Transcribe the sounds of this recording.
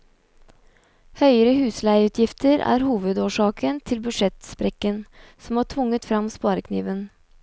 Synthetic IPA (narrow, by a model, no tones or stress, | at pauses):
hœʏəɾəhʉːslæɪʉːt̪ʰjɪft̪ʰəɾæ̰ːɾhuːʋəd̪oːʂɑːkʰənt̪ʰɪlbʉʂɛt̪spɾɛkənsɔmɑːʈʰʋʊŋːət̪fɾɑmspɑːɾəkʰnḭːʋən